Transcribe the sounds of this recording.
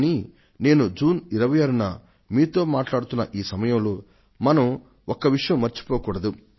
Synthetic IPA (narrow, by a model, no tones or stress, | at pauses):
ni | ne̞ːnud͡ʒuːniɾɐʋɐjaːɾunɐ | miːt̪o̞ːmaːʈlaːɽut̪unːɐʔiːsɐmɐjɐmloː | mɐnɐm | ɔkːɐʋiʂɐjɐmːɐɾt͡ʃi̥poːkuːɽɐd̪u